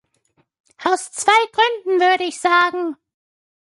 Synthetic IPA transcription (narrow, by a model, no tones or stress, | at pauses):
ʔaʊst͡sv̥aɪɡʁʏndn̩vʏɐɾəɪçz̥aːɡŋ̩